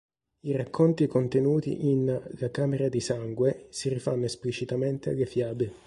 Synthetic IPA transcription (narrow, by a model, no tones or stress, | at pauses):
irakːont̪ikont̪enuːt̪ḭʔinlakaːmeɾad̪isaŋɡwesirifanːoesplit͡ʃit̪ament̪ea̰lːefjaːbe